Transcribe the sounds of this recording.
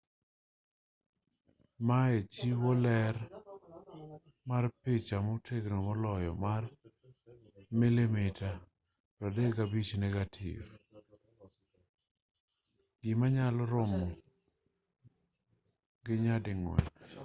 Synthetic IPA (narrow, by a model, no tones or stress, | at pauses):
maet͡ʃiwɔlɛɾ | marpɪt͡ʃamɔtʰeɡnomɔlɔjɔ̰mar | milimɪta | ɾadeɡabit͡ʃnɛɡatʰḭv | ɡɪmaɲalɔɾɔmɔ | ɡɪɲadɪŋwɛ̰n